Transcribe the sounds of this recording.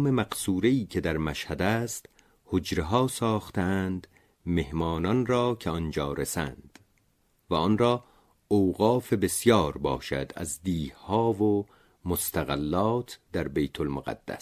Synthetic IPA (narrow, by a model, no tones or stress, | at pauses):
memæqsuːɾe̞iːcʰe̞d̪æɾmæʃhæd̪æːst̪ | hod͡ʒɾeɦɒːsɒːxt̪eænd̪ | me̞hmɒːnɒnrɒːcʰeɒnd͡ʒɒːɾesæ̰nd̪̥ | væɒnɾɒː | owɣɒːfe̞besjɒːɾbɒ̰ːʃæ̰d̪æ̰zd̪iːhhɒːvo | most̪æɣælːɒːt̪ʰd̪̥æɾbejt̪ʰolmoɣæ̰d̪̥ːæ̰s